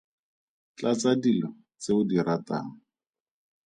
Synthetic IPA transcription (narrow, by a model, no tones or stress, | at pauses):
t͡ɬat͡sadilɔ | t͡seʊdirata̰ːŋ̩